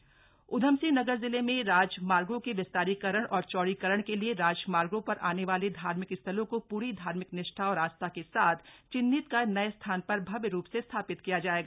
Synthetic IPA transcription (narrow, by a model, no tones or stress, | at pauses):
ʊd̪ʱəmsinɐɡəɾzɪlemẽɾaːd͡ʒmaːɾɡõkeʋɪst̪aːɾikɐɾəɽ̃ʔɔːɾt͡ʃɔːɽikəɾəɽ̃kelieɾaːd͡ʒmaːɾɡõpɐɾʔa̰ːneʋaːled̪ʱaːɾmɪkɪst̪ʰəlõkopuːɾid̪ʱaːɾmɪknɪʃʈʰaɔːɾaːst̪ʰakesaːt̪ʰt͡ʃɪnːɪt̪kanɐest̪ʰaːnpɐɾbʱɐbjɾuːpsest̪ʰaːpɪt̪kijad͡ʒaːeːɡaː